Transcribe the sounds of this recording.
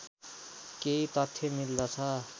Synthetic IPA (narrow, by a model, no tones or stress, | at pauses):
keit̪ʌt̪ʰːjemild̪ʌt͡sʰʌ